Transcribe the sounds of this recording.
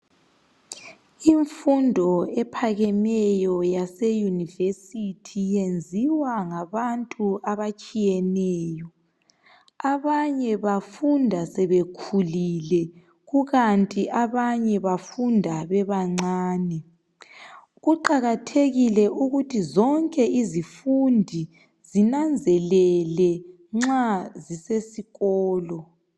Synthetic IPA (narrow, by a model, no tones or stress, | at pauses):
iɱfundʱɔɛpʰaɣɛmɛjɔjasejunivesitʰijend͡zʱiwaŋaβantʼuaβat͡ʃʼijɛnɛːjɔ | aβaɲɛβafundʱasɛβekʰulilɛ | ɣuɣantʼiʔaβaɲɛβafundʱaβɛβaŋ͡ǀaːnɛ | ɣuǃaɣatʰeɣilɛʔuɣutʰizɔŋkʼɛʔizifundʱi | zinand͡zʱɛlɛlɛ | ŋ͡ǁazisesiɣɔːlɔ